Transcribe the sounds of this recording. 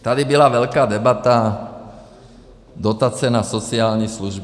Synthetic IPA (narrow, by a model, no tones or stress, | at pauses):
t̪ad̪ibilaʋɛʎkaːd̪ɛbat̪a | d̪ɔt̪at͡sɛnasɔt͡sɪaːlɲisluʒb